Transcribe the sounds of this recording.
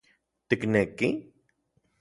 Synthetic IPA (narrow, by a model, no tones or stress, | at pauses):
t̪ɪknekĩ